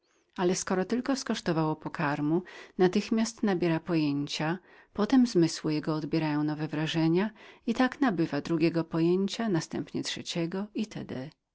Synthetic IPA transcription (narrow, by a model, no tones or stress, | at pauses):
alɛskɔɾɔt̪ɘlkɔskɔʂt̪ɔvawɔpɔkʰaɾmunat̪ɘxmʲjast̪nabʲjɛɾapɔjeɲt͡ɕa | pɔt̪ɛmzmɘswɘjɛɡɔːd̪bʲjɛɾajɔ̃w̃nɔvɛvɾaʐɛɲait̪aknabɘvad̪ɾuɡʲjɛɡɔpɔjeɲt͡ɕanast̪ɛ̰mpɲɛtʂɛt͡ɕɛɡɔit̪ʰɛ̰d̪ɛ